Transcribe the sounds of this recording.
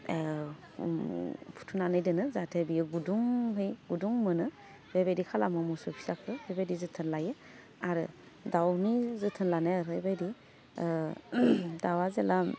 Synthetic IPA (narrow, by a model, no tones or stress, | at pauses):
pʰu̥tʰunanɯjdɯnɯzatʰebijɯɡuduŋɦɯjɡuduŋmɯnɯ | bebedikʰalamɯmusupʰi̥zakʰɯbebedizɯtʰɯnlajɯ | aɾɯ̰ | dawnizɯtʰɯnlaneaɾebedi | dawazela